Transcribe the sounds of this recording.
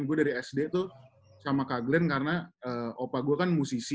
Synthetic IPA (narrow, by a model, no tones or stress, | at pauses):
ŋɡuadaɾiɛsdet̪ʊ | samakaɡlɛnkaɾənaəːopaɡuakanmusis